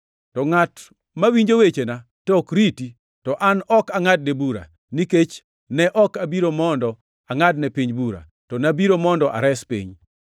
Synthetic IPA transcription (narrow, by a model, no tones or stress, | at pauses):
tɔŋat | mawiɲd͡ʒowet͡ʃena | tɔkɾiti | tɔʔanɔkaŋad̚nebuɾa̰ | niket͡ʃ | nɛʔɔkabiɾomɔndɔ | aŋadnɛpiɲbuɾa̰ | tɔnabiɾomɔndɔʔa̰ɾɛspḭɲ